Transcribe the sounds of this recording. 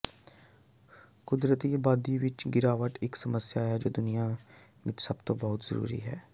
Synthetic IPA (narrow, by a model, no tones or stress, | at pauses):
kʊd̪ɾət̪iːbaːd̪iːʋɪt͡ʃɡɪɾaːʋəʈ̪ɪksəməsjaːɦɛːd͡ʒoːd̪ʊnija | ʋɪt͡ʃsəbt̪õːbəɦʊt̪z̥ə̰ɾṵːɾḭːɦɛː